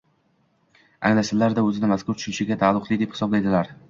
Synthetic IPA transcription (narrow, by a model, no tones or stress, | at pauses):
a̰ŋlasɪlːaɾd̪aɵzɪnɪmaskʰʊɾt̪ʰʊ̥ʃʊnʃɪɡʲat̪ʰalˠːʊqlˠɪd̪ephɪ̥sɒblajd̪ɪlaɾ